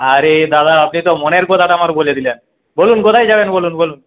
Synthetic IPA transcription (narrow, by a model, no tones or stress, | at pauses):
aɾed̪ad̪aap̚nit̪ɔmoneɾkɔt̪ʰaʈaamaɾbolied̪ilen | bolunkot̪ʰajd͡ʑabenbolunbolun